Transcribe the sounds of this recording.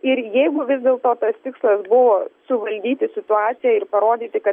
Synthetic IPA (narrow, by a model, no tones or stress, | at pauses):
ɪɾjɛɪɡʊʋʲɪzʲd̪ʲeːlˠt̪oːt̪ɐst̪ʲɪkslˠɐsbʊʋoːsʊʋɐlʲd̪ʲiːt̪ʲɪsʲɪt̪ʊɑːt̪sʲɪjæɪɾpɐɾoːd̪ʲiːt̪ʲɪkɐ